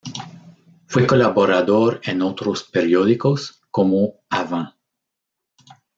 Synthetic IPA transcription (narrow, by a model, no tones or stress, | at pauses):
fwekolaβoɾaðoɾenot̪ɾospeɾjoðikos | komoavã